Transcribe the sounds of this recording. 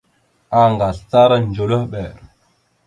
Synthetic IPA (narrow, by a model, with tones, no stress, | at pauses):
a˨ŋɡa˨ɬt͡sa˦ɾa˦n˨d͡ʒo˨lə˦ɓɛ˨ɾ